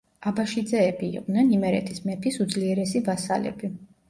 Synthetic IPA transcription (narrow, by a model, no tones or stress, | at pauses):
abaʃid̪zɛːbḭːq̪ʼnɛnimɛɾɛ̰t̪ʰismɛpʰisud̪zliɛɾɛsivasa̰lɛ̰bi